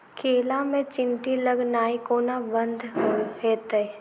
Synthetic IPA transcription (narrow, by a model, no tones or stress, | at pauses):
kʰeːlamẽt͡ʃɪ̃nʈiləɡnaːikoːnabə̃nd̪ʱɦeːt̪ə